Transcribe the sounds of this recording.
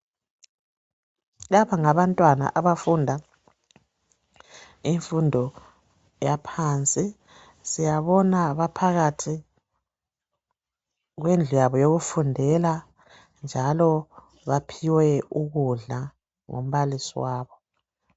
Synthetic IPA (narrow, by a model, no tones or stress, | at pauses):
laβaŋaβantʼwana̰ʔaβafundʱa | iɱfundʱɔ | japʰaːnt͡sʼi | sijaβɔnaβapʰaɣatʰi | ɣwend͡ɮʱujaβɔjoɣufundʱɛla | nd͡ʒʱalɔ | βapʰiwɛuɣuɮa | ŋo̰m̩βalisiwaːβɔ